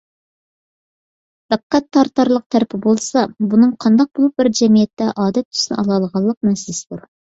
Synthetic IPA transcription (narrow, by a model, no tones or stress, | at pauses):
b̪̥æqːæt̪ʰːɑɾt̪ɑɾlˠəq̚t̪ʰæɾɪpʰɪbolˠsɑbunɨŋqʰɑnd̪ɑq̚bolˠup̚bɪɾd͡ʒɛmijɛt̪ːɛʔɑːd̪ɛt̪ʰːy̥snɪ̰ʔɑlˠɑlˠəʁɑlˠːəq̚mɛsɪlɪsɪd̪uɾ